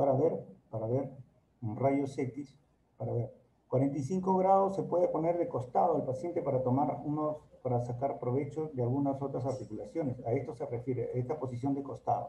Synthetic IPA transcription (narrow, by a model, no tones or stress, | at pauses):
aɾaβeɾpaɾaβe̞ɾ | unraʝo̞sekt̪is | paɾaβeɾ | kwaɾe̞nt̪ajs̬iŋko̞ɣɾað̞o̞sːe̞pwe̞ð̞epo̞ne̞ɾðeko̞st̪aðoalpasje̞nt̪e̞paɾat̪o̞maɾunospaɾasakaɾpɾo̞βe̞t͡ʃo̞ðealɣunaso̞t̪ɾas̬aɾt̪ikulasjo̞nesae̞st̪o̞se̞refjeɾeaest̪apo̞s̬is̬jo̞nd̪eko̞st̪a̰ðo